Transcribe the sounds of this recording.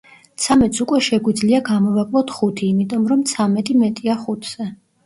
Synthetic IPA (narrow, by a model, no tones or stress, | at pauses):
t̪sʰamɛt̪sukʼwɛʃɛɡwid̪zliaɡamɔvakʼlˠɔt̪ʰχut̪ʰiːmit̪ʼɔmɾɔmt̪sʰamɛt̪ʼimɛt̪ʼiaχut̪ʰz̥ɛ